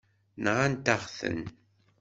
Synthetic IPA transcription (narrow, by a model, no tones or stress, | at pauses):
nʁant̪aχθə̰n